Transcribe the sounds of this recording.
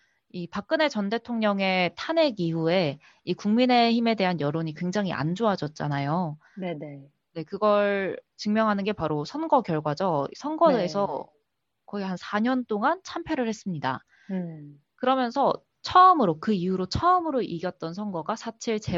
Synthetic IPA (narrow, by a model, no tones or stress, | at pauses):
ipak̚k͈ɯne̞t͡ɕʌnde̞tʰoŋɲʌŋe̞tʰane̞ɡiɦue̞ | ikuŋmine̞çime̞de̞ɦanjʌɾoɲikwe̞ŋd͡ʑaŋɦiʔa̰nd͡ʑoɦad͡ʑʌt̚t͡ɕ͈a̰najo | ne | ne̞kɯɡʌɭt͡ɕɯŋmjʌŋɦanɯnɡe̞paɾosʰʌnɡʌkjʌɭɡwad͡ʑʌḭsʰʌnɡʌdesʰʌ | kʌɡihansʰaɲʌnt͈oŋant͡ɕʰampʰjeɾɯɭhe̞s͈ɯmɲida̰ | kɯɾʌmjʌnsʰʌ | t͡ɕʰʌɯmɯɾokɯiuɾot͡ɕʰʌɯmɯɾoʔiɡjʌt̚t͈ʌnsʰʌnɡʌɡasʰat͡ɕʰiɭt͡ɕe̞